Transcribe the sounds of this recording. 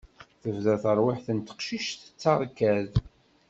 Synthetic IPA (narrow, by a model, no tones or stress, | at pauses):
θəvðæθəɾˤwɪħθənt̪ə̥qʃiʃt̪ə̥t͡sːɑʁkːæð